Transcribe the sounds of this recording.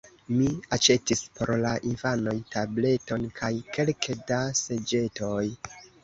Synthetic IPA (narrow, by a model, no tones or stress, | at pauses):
miat͡ʃe̞tispo̞ɾlaʔinvano̞jtable̞to̞nkʰajkʰe̞lkʰedase̞d͡ʒe̞to̞j